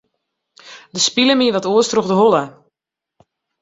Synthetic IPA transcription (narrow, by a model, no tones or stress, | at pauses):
dəspiləmiəʋɔtoəstrɔxdəɦolə